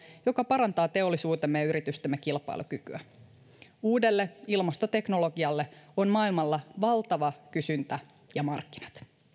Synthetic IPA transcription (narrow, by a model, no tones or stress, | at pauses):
jo̞kɑpɑɾɑnt̪ɑːt̪e̞o̞lːisuːt̪emːejɑyɾit̪yst̪ømːekilpɑ̰ḭlukykyæ | uːde̞lːeilmɑst̪ot̪e̞kno̞lo̞ɡiɑlːe̞onmɑːilmɑlːɑʋɑlt̪ɑʋɑkysynt̪æ | jɑmɑrkːi̥nɑt̪